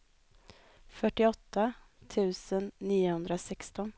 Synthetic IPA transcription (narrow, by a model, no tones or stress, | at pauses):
fœʈːɪɔt̪ʰːa | t̪ʰʉ̟ːsənːiːʊhɵnd̪ɾasɛkst̪ɔn